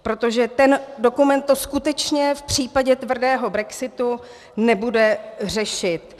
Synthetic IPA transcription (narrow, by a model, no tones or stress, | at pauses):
pɾo̞t̪o̞ʒɛt̪ɛndo̞kumɛnt̪ːo̞skut̪ɛt͡ʃɲɛfpr̝̥iːpaɟɛt̪vr̩dɛːɦo̞bɾɛksɪt̪u | nɛbudɛr̝ɛʃɪt̪